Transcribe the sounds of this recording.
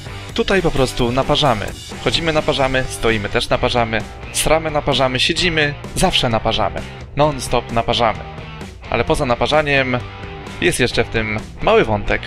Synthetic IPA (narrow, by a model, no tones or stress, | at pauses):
t̪ut̪ajpɔpɾɔst̪unapaʐamɘ̰ | xɔd͡ʑimɘnapaʐamɘst̪ɔjimɘt̪ɛʂnapaʐamɘ | sɾʔamɘnapaʐamɘɕed͡ʑimɘzafʂɛnapaʐa̰mɘ̰ | nɔnst̪ɔpnapaʐamɘ̰ | ʔa̰lɛpɔzanapaʐaɲɛm | jʔɛst̪jɛʂt͡ʂɛft̪ɘmː | awɘvɔnt̪ɛk